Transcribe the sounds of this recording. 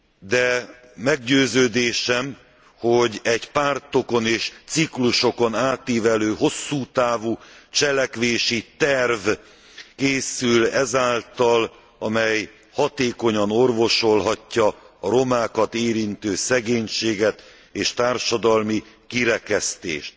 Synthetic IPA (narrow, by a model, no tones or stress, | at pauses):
d̪ɛ | mɛɡɟøːzøːd̪eːʃɛm | ho̞ɟɛɟpaːrt̪o̞ko̞neːʃt̪sikluʃo̞ko̞naːt̪iːvɛløːɦo̞sːuːt̪aːvut͡ʃɛlɛkʋeːʃit̪ɛrv | keːsylɛzaːlt̪ɒl | ɒmɛj | hɒt̪eːko̞ɲɒno̞rvo̞ʃo̞lɦɒcːɒːɾo̞maːkɒt̪eːɾint̪øːsɛɡeːɲʃeːɡɛt̪ | eːʃt̪aːrʃɒd̪ɒlmi | kiɾɛkɛst̪ḛːʃt̪